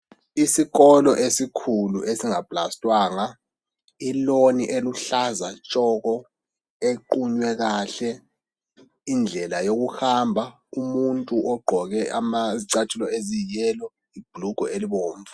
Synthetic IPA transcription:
isiɣɔlɔʔesikʰuluesiŋab̥lastʼwaːŋa | iloniʔeluɬazat͡ʃʼɔkɔ | eǃuɲwɛɣaɬɛ | ind͡ɮʱɛlajoɣuxambʱa | umuntʼuʔɔɡ͡ǃʱɔɣɛamaziǀatʰulɔezijɛːlɔ | ib̥ʱluɡ̥ʱɔeliɓoːɱvu

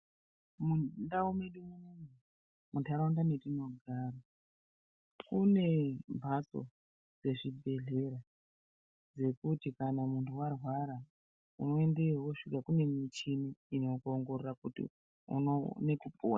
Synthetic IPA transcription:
mundaumeɗumuniŋi | muntʰaɾaundanetino̞ɡʱara | kune̞mbʱat͡so̰ | d͡ze̞ʐibʱe̞ɮe̞ɾa | d͡ze̞kutikanamuntʰuwarwaɾa | ṵno̞e̞ndewoʂikakune̞mit͡ʃiniino̞koŋɡo̞rerakutḭ | ṵnone̞kupʰo̰ːna

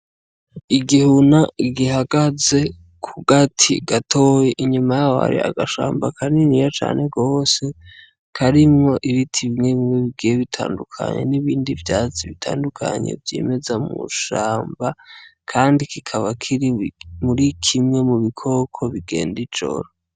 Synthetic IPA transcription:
iɡihunaɡihaɡ̥aze | kʰuɡatʰiɡ̥atʰo̞jeʔiɲumajaa̰ɾḭa̰ɡaʃa̰ːmbakʰaninijat͡ʃa̰ːne̞ɡoːse̞ | kʰaɾimŋo̞ʔiβitʰiβiɲeβimweβiɡijeβitʰa̰ːndukʰa̰ɲe̞̰niβiːndivjaːziβitʰaːndukʰa̰ɲe̞̰vjḛːme̞zamṵʃaːmbakʰaːndikikʰaβakʰiɾimuɾikʰimŋe̞muβikʰo̞kʰo̞βiɡe̞̰ːndid͡ʒo̰ɾa

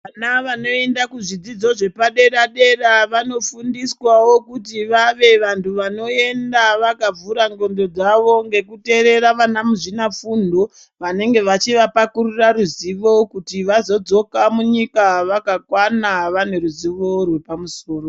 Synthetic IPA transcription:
anaʋano̞endakuʐid͡zid͡zo̞ʐe̞paɗe̞ɾaɗe̞raʋano̞fundiswawo̞kutiʋaʋe̞ʋantʰuʋano̞e̞ndaʋakab͡vuɾaŋɡo̞ndo̞d͡zaʋo̞ŋɡe̞kute̞ɾe̞ɾaʋanamuʐinafundo̞ | ʋane̞ŋɡe̞ʋat͡ʃiʋapakururaɾuziʋo̞kutiʋazo̞d͡zo̞kamuɲikaʋakakwanaʋane̞ɾuziʋo̞rwe̞pamuso̞ːro

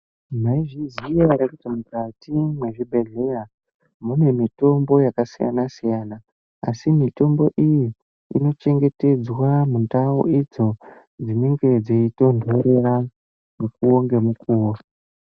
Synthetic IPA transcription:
maiʐizijaɾekutimukatimwe̞ʐibʱe̞ɮe̞ja | mune̞mito̞mbo̞jakasija̰nasijana | asimito̞mbo̞ʔiji | ḭno̞t͡ʃe̞ŋɡe̞te̞d͡zwamuntao̰ʔid͡zo̞ | d͡ziniŋɡed͡zeito̞ndʱoɾe̞ra | nekuoŋɡe̞mukuːo

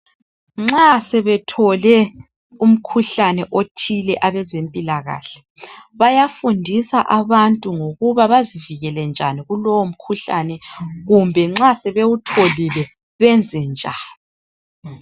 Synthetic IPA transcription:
ŋ͡ǁasɛβɛtʰɔlɛ | um̩kʰuɬanɛʔotʰilɛʔaβɛzempʼilaɣa̰ːɬɛ̥ | βajafundʱisaʔaβantʼuŋoɣuβaβaziviɣɛlɛnd͡ʒʱaniɣulɔwom̩kʰuɬa̰nɛɣumbʱɛŋ͡ǁasɛβewutʰolilɛ | βɛnd͡zʱɛnd͡ʒʱaːni

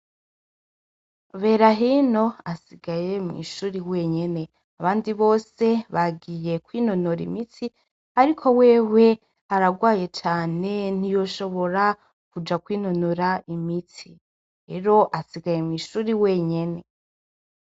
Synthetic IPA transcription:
βe̞ːɾaɦino̞asiɡaje̞mŋḭʃuːɾiwe̞ːɲe̞ne̞ | aβaːndiβo̞ːse̞βaɡije̞kwiːnonoɾḭmiti | aɾikʰo̞we̞ːwe̞ | aɾaɡwaːje̞t͡ʃaːne̞n̥ijo̞ʃo̞βo̞ɾa | kud͡ʒakwiːnonuɾaimiti | ɾe̞ɾo̞ʔasiɡaje̞mŋiːʃuːɾiwe̞ːɲe̞ne

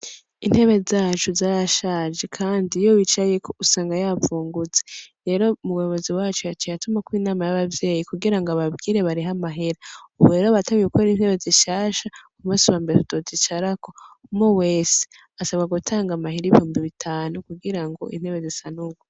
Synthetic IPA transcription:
in̥he̞βe̞zaːt͡ʃuzaːɾaʃad͡ʒe̞kʰaːndijowit͡ʃajekʰousaːŋɡajavuːŋɡuzeɾe̞ːɾo̞muweβo̞ziwaːt͡ʃujat͡ʃejatumakwiːnaːmajaβavje̞ːjikuɡiɾaŋɡoaβabɡiːɾe̞βaɾiɦamaɦeɾauβuɾeːɾoβatamijukʰoɾiːn̥he̞βe̞ziʃaːʃakumusuβaːmbeetutozit͡ʃaɾako̞mowe̞ːse̥ | asaβɡaɡutʰaːŋɡamahiɾiβihuːmbiβitʰaːnukuɡiɾaŋɡo̞̰ʔḭn̥he̞βe̞zisanuɡo

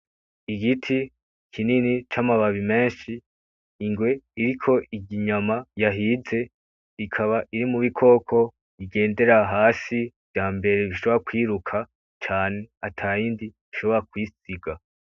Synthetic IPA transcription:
iɡitʰi | kʰininit͡ʃamaβaβime̞ːnʃiː | ŋɡwe̞iɾikʰo̞ʔiɡiɲamajaɦiːze̞ | ikʰaβaʔiɾimuβikʰo̞ːkʰo̞ | iɡe̞ːnde̞ɾaɦaːsiv̥jaːmbe̞ɾe̞βiʃo̞βoɾakwiːɾukʰa | t͡ʃaːne̞atʰajiːndiβiʃo̞βo̞ɾakwisiɡa

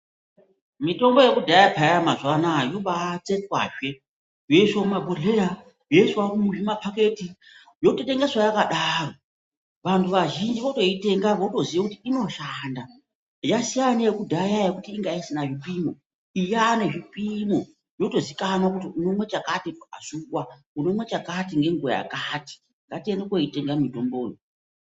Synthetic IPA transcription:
mito̞mbo̞je̞kudʱajapʰajamazwanajoɓat͡setkwa̰ːʒe̞ | joiswakumabʱoleɾa | jo̞iswakumuʐimapʰake̞ti | jo̞tote̞ŋɡeswajakaɗaro | ʋantʰuʋaʒind͡ʒiʋoto̞ite̞ŋɡaʋoto̞ziʋakutiino̞ʃaːnda | jasijanaekudʱajajekutiːŋɡaisinaʐipimo | ijaneʐipimo | jo̞to̞zikanwakutiuno̞mwe̞t͡ʃakatiasukwakuno̞mwe̞t͡ʃakatiŋɡe̞ŋɡua̰ja̰kaːti̥ | ŋɡatiendekwoite̞ŋɡamito̞mboːno

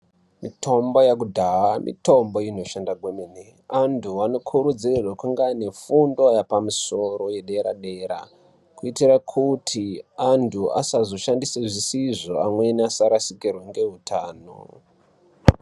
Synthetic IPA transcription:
mito̞mbo̞jak̬udʱaɦamʔḭto̞mbo̞ino̞ʃandaɡʱwemene | antʰuano̞kʰuɾud͡zirerwakuŋɡane̞fundo̞japamuso̞ɾo̞je̞ɗe̞ɾaɗe̞ɾa̰ | kuitirakʰutʰiantʰuʔa̰sazo̞ʃandiseʐisiʐo̞amwe̞niasaɾasikirweŋɡe̞ɦutʰaːno̰

